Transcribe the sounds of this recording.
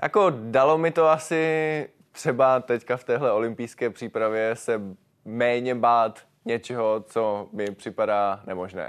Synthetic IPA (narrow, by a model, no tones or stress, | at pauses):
jʔa̰ko̞dalo̞mɪt̪o̞asɪ | t̪r̝̥ɛbat̪ɛckaft̪ɛːɦlɛo̞lɪmpɪjskɛːpr̝̥iːpɾavjɛsɛ | mɛːɲɛbaːt̪ | ɲɛt͡ʃɛɦo̞t͡somɪpr̝̥ɪpadaːnɛmoʒnɛ̰ː